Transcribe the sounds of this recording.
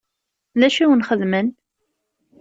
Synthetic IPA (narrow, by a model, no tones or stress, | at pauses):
ðæʃiwənχəðmən